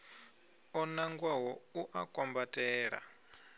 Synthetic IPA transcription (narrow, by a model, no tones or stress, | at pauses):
ɔnaŋɡwaɦɔuʔakʼwambatʼɛːɺa̰